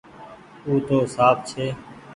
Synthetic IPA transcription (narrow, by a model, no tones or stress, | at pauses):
uːt̪oːsaːb̚t͡ʃʰeː